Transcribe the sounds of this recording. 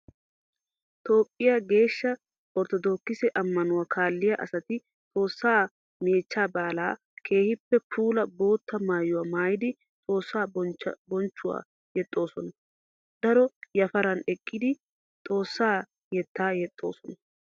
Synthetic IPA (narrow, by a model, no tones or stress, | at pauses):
t̪o̞ːpʼːɪjaɡe̞ːʃːɐ | ɔɾt̪ɔd̪oːkːɪsɛʔɐmːɐnʊwaːkʰaːlːɪjɐʔɐsɐt̪ɪ | t̪ʼo̞ːsːaː | meːt͡ʃːaːbaːlaː | kʰe̞ːhɪpːɛpʰuːlɐbo̞ːt̪ːɐmaːjʊwamaːjɪd̪ɪ | t̪ʼo̞ːsːaːbɔnt͡ʃːʊwa̰ː | jɛt̪ʼːo̞ːsɔnɐ | d̪̥ɐɾɔjɐfɐɾɐnɛkʼːɪd̪ɪ | t̪ʼo̞ːsːaː | jɛt̪ːaːjɛt̪ʼːo̞̰ːsɔnɐ